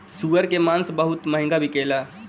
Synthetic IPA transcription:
suəɾkemansbəɦʊt̪məɦĩŋɡabʱikela

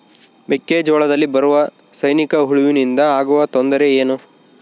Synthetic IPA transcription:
bekːeːd͡ʒɔːɭɐd̪ɐlːibɐɾuʋɐ | sɐjnikɐɦuɭuʋinind̪ɐaːɡuʋɐt̪ond̪ɐɾe̞eːnu

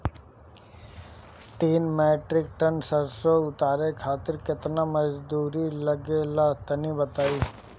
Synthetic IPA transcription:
t̪iːnmeːʈɾɪkʈənsəɾsoʊt̪aːɾekʰaːt̪ɪɾkɪt̪namɐd͡ʒd̪uːɾilɐɡelat̪ɐnibɐt̪aːiː

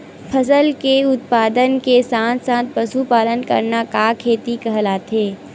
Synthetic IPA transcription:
pʰɐsəlkeʊt̪̚paːd̪ənkesãːt̪sãːt̪̚pɐsupaːlənkɐ̰ɾnakakʰeːt̪ikɐɦlaːt̪eː

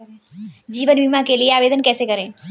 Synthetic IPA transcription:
d͡ʒiːʋənʋimãkelieaːʋeːd̪ənkɛːsekəɾeː

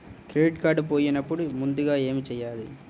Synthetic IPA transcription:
kɾeiʈkaːɾɖup̬o̞ːjinɐpːuɽumund̪uɡaːe̞ːmit͡ʃɛjːaːði

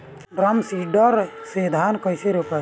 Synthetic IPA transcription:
ɾɐmsiɖɔɾseːd̪ʱaːnkɔjseɾopa

